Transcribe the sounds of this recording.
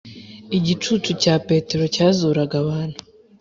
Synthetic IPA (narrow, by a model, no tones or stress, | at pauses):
iɟit͡ʃuːt͡ʃucaːpe̞te̞ɾo̞caːzuːɾaɡaβaːn̥hu̥